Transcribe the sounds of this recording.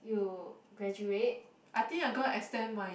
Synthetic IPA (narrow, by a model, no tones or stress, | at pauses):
juɡɹɛd͡ʒuet̚ | ʔaɪt̪ĩŋajɡɔ̃nɛkstɛ̃nmaɪ